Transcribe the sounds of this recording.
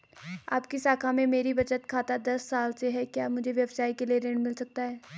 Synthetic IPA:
a̰ːp̚kisaːkʰamẽmeːɾibɐt͡ʃət̪kʰaːt̪ad̪ɐsːaːlseɦɛkjaːmʊd͡ʒʱeʋjɐbʃaːikelieɾẽːɳɖmɪlsɐk̚t̪aɦɛː

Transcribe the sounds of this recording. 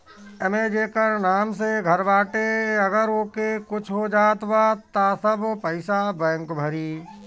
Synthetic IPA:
ɛmeːd͡ʒeːkəɾnaːms̬eɡʱəɾʋaːʈeəɡəɾoːkekʊt͡ʃʰɦod͡ʒaːt̪ʋaːt̪asəbpəɪsabɛ̃ːŋkbʱəɾiː

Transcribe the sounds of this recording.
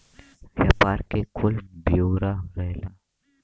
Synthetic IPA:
ʋjapaːɾkekʰʊlbijoːɾaɾɛːla

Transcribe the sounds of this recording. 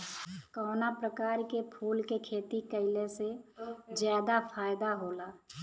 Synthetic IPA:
kɔːnapɾəkaːɾkepʰuːlkekʰeːt̪ikəɪlesed͡ʒjaːd̪apʰaːjd̪aɦoːlaː

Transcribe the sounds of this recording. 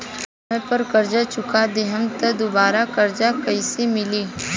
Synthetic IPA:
ẽpəɾkɐɾd͡ʒat͡ʃʊkad̪eɦəmt̪ɐd̪obaːɾakɐɾd͡ʒakɐisemɪliː

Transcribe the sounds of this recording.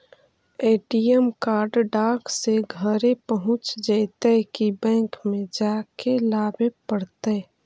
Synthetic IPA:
eːʈijəmkaːɾɖɖaːkseɡʱəɾepəɦʊ̃t͡ʃd͡ʒaɪt̪ekibɛ̃ːŋkmẽd͡ʒaːkelaːbepəɽt̪e

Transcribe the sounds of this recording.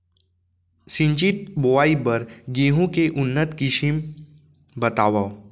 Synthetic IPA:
sɪ̃ɲt͡ʃit̪̚boaːibəɾɡeːɦõkeʔʊnːət̪kɪʃim | bət̪aːʋa

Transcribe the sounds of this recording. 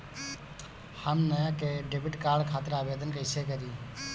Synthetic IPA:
həmnəjakeɖebiʈkaːɾɖkʰat̪ɾaːbed̪ʱənkəɪsekəɾi

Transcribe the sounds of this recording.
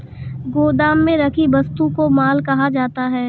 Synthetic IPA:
ɡoːd̪aːmːẽɾɐkʰibɐst̪ũkomaːlkɐɦad͡ʒaːt̪aɦɛː

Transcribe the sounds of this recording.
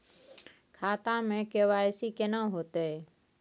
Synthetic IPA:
kʰaːt̪ãːmẽːkeːʋaːeːsiːkeːnãːɦoːt̪eː

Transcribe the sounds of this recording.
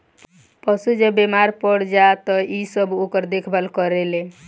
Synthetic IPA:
pəsud͡ʒebemaɾpəɽd͡ʒat̪ɔisəbokəɾd̪ekʰbəlkəɾele

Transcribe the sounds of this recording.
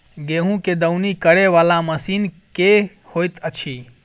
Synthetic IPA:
ɡeɦũked̪əwnikəɾeʋalaməsinke | hojt̪ət͡ʃʰi

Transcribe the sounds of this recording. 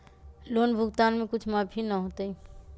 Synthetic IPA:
loːnbʱʊɡt̪aːnmẽkʊt͡ʃʰmabʱinəɦot̪ei

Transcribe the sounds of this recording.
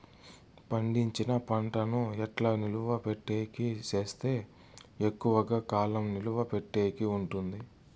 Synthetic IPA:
pɐɳɖiɲt͡ʃinɐpɐɳʈɐnuɛʈlaːniluʋɐpeʈːeːjkit͡ʃe̞ːst̪e̞ː | ekːuʋɐɡaːkaːlɐmniluʋɐpeʈːeːjkiuɳʈund̪i

